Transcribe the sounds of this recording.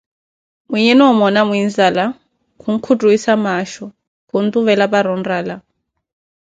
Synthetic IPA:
mijɛnɔmɔnamwind͡zala | kʰuŋ̩kʰutʼuisamaʃɔ | kʰun̩t̪ʼuβɛlapaɾɔnraːla

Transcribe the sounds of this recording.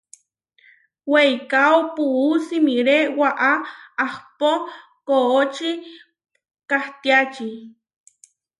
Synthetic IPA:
wejkawpuusimiɾeʔwaʔaahpo | koot͡ʃi | kaht̪iat͡ʃi

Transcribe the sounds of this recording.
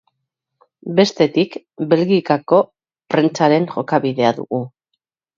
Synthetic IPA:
be̞st̪e̞t̪ik | be̞lɣikako̞ | pɾe̞nt͡saɾe̞ŋʝo̞kaβiðe̞aðṵɣu

